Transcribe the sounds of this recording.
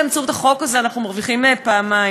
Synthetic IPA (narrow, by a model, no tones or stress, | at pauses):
ant͡suvt̪aχo̞kazeanaχnumaʁviχimepaːma